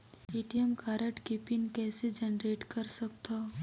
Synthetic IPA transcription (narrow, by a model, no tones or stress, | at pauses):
iːʈijəmkʰaːɾəʈkipɪnkɛːsed͡ʒɐnɾeːʈkɐɾsɐk̚t̪a